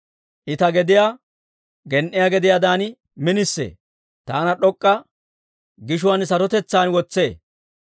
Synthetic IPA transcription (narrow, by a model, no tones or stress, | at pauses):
ʔɪt̪ɐɡɛd̪ɪjaː | ɡɛnʔɪjaɡɛd̪ɪjad̪aːn | mɪnɪsːḛː | t̪aːnɐɗɔkʼːɐ | ɡɪʃ̬ʊwɐnsɐɾɔt̪ɛt͡sːaːnwɔt͡sːeː